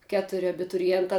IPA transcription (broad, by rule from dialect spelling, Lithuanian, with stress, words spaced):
ˈkʲæːtʊrʲɪ ɐbʲɪtʊrʲɪˈjɛntɑː